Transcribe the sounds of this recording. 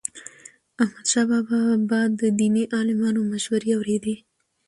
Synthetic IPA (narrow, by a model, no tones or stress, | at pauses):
ahmad̪ʃɑbɑbɑbɑd̪ːəd̪iniʔɑlɪmɑnomaʃwaɾiawɾed̪i